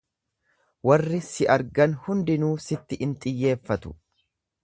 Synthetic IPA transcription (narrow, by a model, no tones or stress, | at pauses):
wɐrːɪsɪʔɐɾɡɐnhʊnd̪ɪnuːsɪt̪ːɪʔɪnt̪ʼɪjːe̞ːfːɐt̪ʊ̥̰